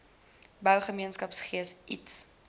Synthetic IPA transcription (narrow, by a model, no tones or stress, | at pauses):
bœwχəmiənskɐpsχiəsʔḭts